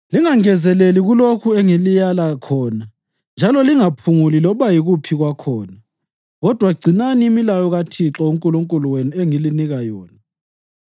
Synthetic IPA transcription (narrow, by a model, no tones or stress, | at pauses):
liŋaŋɛzɛleliɣulokʰueŋilijalakʰɔːna | nd͡ʒʱalɔliŋapʰuŋulilɔβajiɣupʰiɣwakʰɔːna | ɣɔd̥ʱwaɡ͡ǀʱinaniːmilajɔɣatʰiǁɔuŋkʼuluŋkʼuluwenueŋiliniɣajɔːni